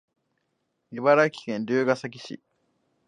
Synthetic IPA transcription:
iβaɾaikʲi̥kẽ̞nɾʲɨːɡasak̬ʲi̥ɕḭ

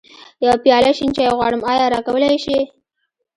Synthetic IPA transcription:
jawapjɑlaʃint͡ʃɑjɣwɑɽəmɑjɑɾɑkawəlajʃi

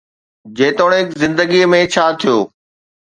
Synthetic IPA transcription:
d͡ʑeːt̪oːɽ̃eɪkzɪ̃nd̪əɡimẽt͡ɕʰaːt̪ʰijoː

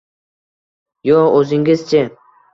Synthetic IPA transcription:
joɵzɪŋɡʲɪz̥t͡ʃʰɪ

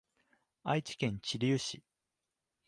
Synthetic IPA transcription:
ait͡ɕi̥kẽ̞ɲ̟t͡ɕiɾʲiɯ̟ɕi

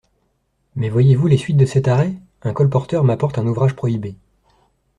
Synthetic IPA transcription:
mɛvwajevulesɥit̪̚d̪əsɛt̪aʁɛ | ɛ̃kɔlpɔʁt̪œʁmapɔʁt̪ɛ̃nuvʁaʒpχɔibe

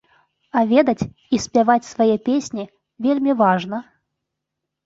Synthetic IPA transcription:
ɐvʲed̪ɐt͡sʲ | isʲpʲavat͡sʲsvajɛpʲesʲnʲi | vʲelʲmʲivaʐnɐ

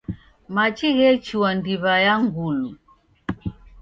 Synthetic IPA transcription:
mat͡ʃiɣɛt͡ʃiwandiβajaŋɡulu

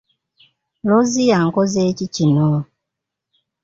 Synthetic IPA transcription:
lozijaŋ̩kɔzet͡ʃit͡ʃinɔ

